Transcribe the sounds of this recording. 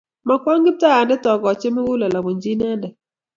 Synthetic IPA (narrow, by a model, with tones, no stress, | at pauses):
ma˨kwɔ˦ŋɡɪ˦p̚ta˦a˨ndɛ˦tɔ˨kɔ˨t͡ʃe˦me˦wʊ˦la˨la˨mo˨ɲd͡ʒi˦na˦ndɛ˨